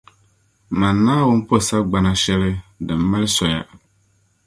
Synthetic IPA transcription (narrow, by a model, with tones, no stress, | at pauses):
ma˨nːaː˦wʊ˦m˦po˦˨sa˦ɡ͡ba˨na˦ʃɛ˦lɨ˦dɨ˨mː˦a˦lɨ˦sɔ˨ja̰˨